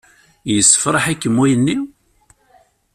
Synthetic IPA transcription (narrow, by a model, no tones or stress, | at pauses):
jəsːə̥fɾˤɑħækːəmːwæjənːiw